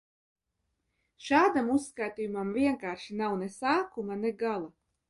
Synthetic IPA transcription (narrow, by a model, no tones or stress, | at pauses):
ʃaːd̪amusːkajt̪iːjumamviɛŋkaːɾʃinawnɛsaːkumanɛɡalˠa